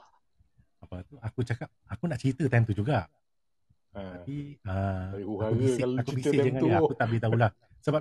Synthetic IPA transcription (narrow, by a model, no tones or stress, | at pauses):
apat̪uakut͡ʃakap̚akunaʔt͡ʃit̪ət̪ɛmt̪ud͡ʒuɡaʔ | ətapiəauaauɡsakubisɪʔd͡ʒəŋãjakut̪aʔbit̪aulah | səba